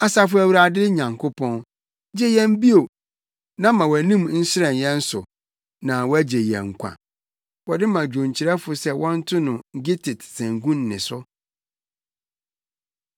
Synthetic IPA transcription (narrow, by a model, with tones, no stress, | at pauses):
a˨sa˦fʊ˦æ˨wu˦ɾa˨dɪ˦ɲã˨ŋkʰo˦pʰɔ̃˦n | d͡ʑe˦jɛ̃˦m˦bi˦o˨ | nã˦mã˨wæ˨nĩ˦m˦n̩˦sɪ˦ɛ̃˨njɛ̃˦n̩˦sʊ̰˨ | nã˨wɔ˦æ˦d͡ʑe˨jɛ̰̃˨ŋ̩˨kʷʰã̰˨ | wɔ˨dɪ˦mã˨d͡ʑᶣõ˨ɲt͡ɕʰɪ˨ɾɛ˦fʊ˨sɛ˦wɔ̃˦n̩˦tʰʊ˦nʊ̃˨ŋ̩˨ɡɪ˦tʰɪ˨tsæ̃˨ŋɡũ˦nː˨ɪ̰̃˨sʊ˦